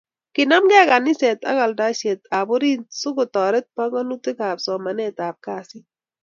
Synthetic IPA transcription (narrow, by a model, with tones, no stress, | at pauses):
kɪ˨na˦mɡɛ˦a˦˨ka˨nɪ˦se˨t̪a̰˦ka˨lda˦ʃe˨t̪a˨bo˦ɾi˦sʊ˦ko˨t̪ɔ˨ɾɛ˦t̪̚pa˦ŋɔ˦nu˦t̪e˦ka˨psɔ˨ma˨nɛ˦˨t̪a˨p̚ka˦˨sɪ˦